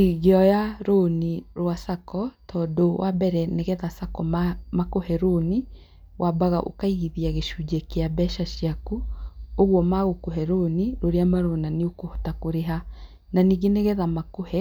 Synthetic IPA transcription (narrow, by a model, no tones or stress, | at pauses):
iɣeɔjaɾoːniɾwasakɔtʰɔːdowʔabɛɾɛneɣɛðasakɔmmakohɛɾoni | wʔabaɣaʔo̰kaiɣiðiaɣeʃud͡ʒɛkeabɛʃaʃiakuoɣwɔmaɣokoɦɛɾoniɾoɾeamaɾonaneokohotakoɾeɦa | naniɡeneɣɛðamakohɛ